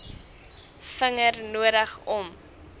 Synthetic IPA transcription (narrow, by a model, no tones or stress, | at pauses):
fəŋərnuəɾəχɔm